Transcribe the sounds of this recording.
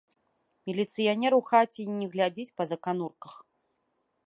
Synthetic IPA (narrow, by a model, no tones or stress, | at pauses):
mʲilʲit̪sɨjanʲɛɾuwxat͡sʲinʲɛɣlʲad͡zʲit͡sʲpɐzɐkanurkɐx